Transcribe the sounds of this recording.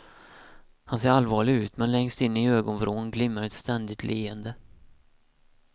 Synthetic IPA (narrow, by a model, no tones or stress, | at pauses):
hanseːɾalːvɑːɭɪɡʉ̟ːt̪mɛnlɛŋst̪ɪnːəɪøːɡɔnfɾoːnɡlɪmːəɾɛt̪st̪ɛnd̪ɪt̪ʰlʔeːənd̪ə